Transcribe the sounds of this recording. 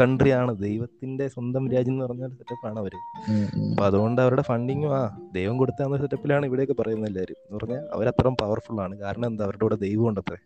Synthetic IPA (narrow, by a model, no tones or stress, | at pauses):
kɐɳɖrijaːɳɨd̪e̞jʋɐt̪ːinde̞swɐnd̪ɐmɾaːd͡ʑjɐnːɨpɐrɐɲːalːt̪ɐtːɐpːaːɳɨɐʋɐɾuɐpːoɐðuɣo̞ɳɖɨɐʋɐɾuɽe̞fɐɳɖiŋːuaːd̪ejʋɐmko̞ɽut̪ːaːnːɐst̪ɐtːɐpːilaːɳɨiʋiɽejokːɨpɐrɐjunːɐilːɐɐɾumenːɨpɐrɐɲːalɐ̰ʋɐɾɐt̪ːɐrɐmpɐʋɐrfuɭaːɳɨkaːɾɐɳɐ̃mend̪ɨɐʋɐɾuɽeuːɽed̪ejʋɐmoɳɖɐt̪ːre